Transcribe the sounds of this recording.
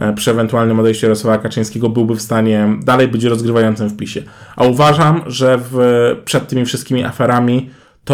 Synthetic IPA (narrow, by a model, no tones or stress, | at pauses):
pʂɘɛvɛnt̪ualnɘmɔd̪ɛjɕt͡ɕɛɾɔswavakat͡ʂɛj̃skʲɛɡɔbɘwbɘfst̪aɲɛd̪alɛjbɘt͡ɕɾɔzɡɾɘvajɔnt̪sɨmfpʲiɕɛ | ʔauvaʐamʐɛvpʂɛt̪ːɘmʲifʂɨst̪kʲimʲiʔa̰fɛɾamʲi | t̪ɔ